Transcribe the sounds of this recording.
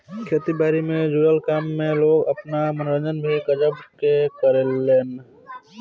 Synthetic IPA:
kʰeːt̪ibaːɾimẽd͡ʒuːjəlkaːmːẽloːɡəpnamənɾəd͡ʒənbʱikəd͡ʒəbkekəɾeleːn

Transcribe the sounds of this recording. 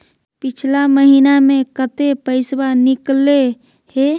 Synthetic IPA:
pit͡ʃʰlaməɦinamẽkət̪epəɪsbanikle | he

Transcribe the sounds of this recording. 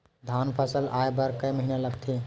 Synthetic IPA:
d̪ʱanpʰəsəlajbəɾkəjməɦinaləɡt̪ʰi

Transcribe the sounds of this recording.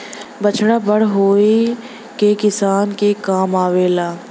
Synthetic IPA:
bɐt͡ʃɽabɐɽɦoːe | kekɪsaːnkekaːmaːʋeːlaː

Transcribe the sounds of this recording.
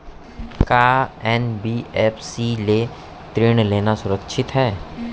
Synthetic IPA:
kaːɛːnbiːɛːpʰsile | t̪ɾeːɽ̃leːnasʊɾəkʃʰɪt̪ɦɛː

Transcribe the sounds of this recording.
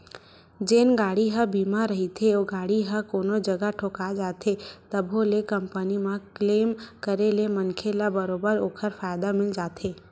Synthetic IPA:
d͡ʒeːnɡaːɽiɦəbiːmaɾɐɦit̪ʰeoːɡaːɽiɦəkoːnod͡ʒɐɡaʈʰoːkad͡ʒaːt̪ʰet̪ɐbʱolekə̃mpənimãkleːmkəɾelemɐnkʰelabəɾoːbəɾoːkʰəɾfaːjd̪amɪld͡ʒaːt̪ʰeː

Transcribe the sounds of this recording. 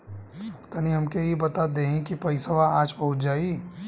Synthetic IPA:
t̪aniɦɐmkeibɐt̪ad̪eːɦẽkipɐɪsəʋaaːd͡ʒpɐɦʊt͡ʃd͡ʒaːi

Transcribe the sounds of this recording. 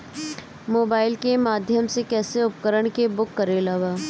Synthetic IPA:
moːbaːɪlkemaːd̪ʱjəmsekɛːseʊpkəɾəɽ̃kebʊkːəɾelaːʋaː

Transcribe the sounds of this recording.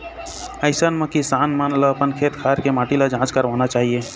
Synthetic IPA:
əɪsənmekisanmanləəpənkʰet̪kʰaɾkemaʈiləd͡ʒãt͡ʃkəɾʋanat͡ʃaɦie

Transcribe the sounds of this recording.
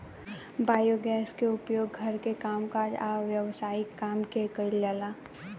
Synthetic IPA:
baːjoɡɛːskeʊpjoːɡɡʱɐɾkekaːmkaːd͡ʒaʋjəʋsaːɪkːaːmkekəilalaː

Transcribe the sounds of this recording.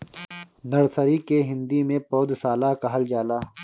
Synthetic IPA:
nɐɾsəɾikeɦɪ̃nd̪imẽpoːd̪saːlaːkɐɦəld͡ʒaːlaː

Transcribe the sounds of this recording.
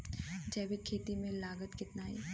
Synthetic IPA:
d͡ʒɛːbikʰeːt̪imẽlaːɡət̪kɪt̪naːɦḛː

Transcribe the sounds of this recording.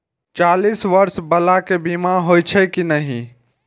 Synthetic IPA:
t͡ʃalisʋəɾsbəlakebimaɦojt͡ʃʰɛkinəɦi

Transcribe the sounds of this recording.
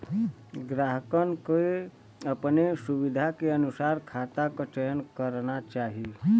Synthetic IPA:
ɡɾaːɦəkənke | əpnesuʋɪd̪ʱakeənʊsaːɾkʰat̪akət͡ʃəjənkəɾnat͡ʃaːɦi

